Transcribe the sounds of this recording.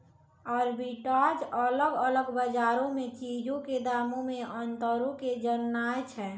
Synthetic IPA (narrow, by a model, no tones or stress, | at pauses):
ɔːɾbiʈad͡ʒələɡələɡbəd͡ʒaɾõmet͡ʃid͡ʒõked̪aːmõmeʔənt̪əɾõked͡ʒənːajt͡ʃʰɛ